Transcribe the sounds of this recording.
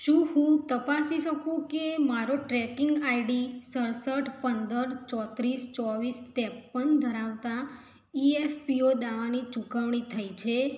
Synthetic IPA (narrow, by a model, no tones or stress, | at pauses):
ʃũɦũt̪əpasiʃəkũkemaɾoʈɾɛkiŋɡaiɖisəɾsəʈʰpənd̪əɾt͡ʃɔt̪ɾist͡ʃɔʋisʈ̪ɛpːənd̪ʱəɾaʋt̪a | iefpiod̪aʋanit͡ʃukəʋɳ̃it̪ʰəjt͡ʃʰe